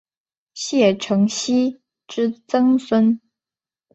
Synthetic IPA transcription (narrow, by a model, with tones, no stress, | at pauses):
ɕjɛ˥˩ʈ͡ʂʰɤ˧˥ŋɕi˥ | ʈ͡ʂɻ̩˥t͡sɤ˥ŋswə˥n